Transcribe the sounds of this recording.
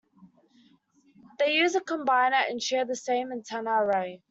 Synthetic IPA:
ðeɪjʉːzəkʰə̃mbaɪ̃nəʔə̃nʃɛːðəsẽɪ̃mə̃ntʰanaɹəʊ

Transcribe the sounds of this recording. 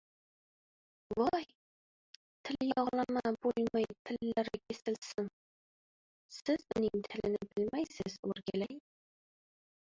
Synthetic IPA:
wɒj | t̪ʰɪljɒʁlˠɑmabolˠmajt̪ʰɪlːaɾɪkʲʰesɪlsɪŋ | sɪzʊnɪŋt̪ʰɪlɪnɪbɪlmajsɪz̥ɵ̰ɾɡʲalaj

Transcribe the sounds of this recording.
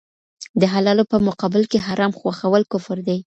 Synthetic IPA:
d̪əɦalɑlopəmʊqɑbɪlkeɦaɾɑmxwaxawəlkʊfɪɾd̪aj

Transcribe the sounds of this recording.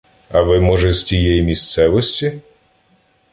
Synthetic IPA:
ɐʋɪmɔʒɛzʲtʲijɛjimʲist̪sɛʋɔsʲtʲi

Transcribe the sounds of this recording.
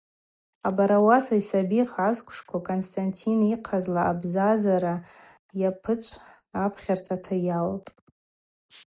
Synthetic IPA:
abaɾawasaisabiχʕazkʷʰʼʂkʷʰakʼonstʰʼantʰiniqʰazlaabzazaɾa | japʰɨt͡ʃʷʼ | apʰχʲartʰatʰajaltʼ

